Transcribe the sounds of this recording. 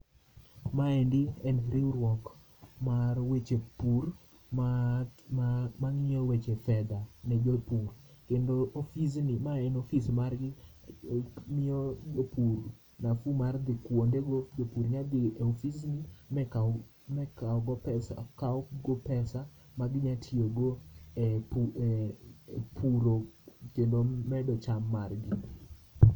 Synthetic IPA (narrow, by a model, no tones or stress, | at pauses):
maɛndɪɛnɾiɾwɔk | marwet͡ʃepur | ma | maŋiɲowet͡ʃefɛd̪anɛd͡ʒopur | kendoofisnimaɛnofismarɡɪ | mɪod͡ʒopur | nafumard̪ɪkwondeɡod͡ʒopuɾɲad̪ɪeofiznimɛ | mɛkaɔɡɔpɛsa̰kaɔɡopɛsa | maɡɪɲatʰioɡo | p | pʰuɾokendomɛdɔt͡ʃamːarɡi